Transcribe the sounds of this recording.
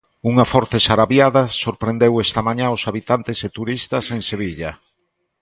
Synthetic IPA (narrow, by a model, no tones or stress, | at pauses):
uŋafɔɾt̪esaɾaβjaðasoɾpɾend̪ewɛst̪ɐmaɲãosaβit̪ant̪eset̪uɾist̪ɐseŋseβ̞iʎa